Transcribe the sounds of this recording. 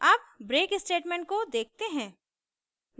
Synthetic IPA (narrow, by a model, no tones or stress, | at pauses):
aːpbɾeːkɪsʈeːʈmɛ̃ːɳʈ̚kod̪eːk̚t̪eɦɛ̃ː | n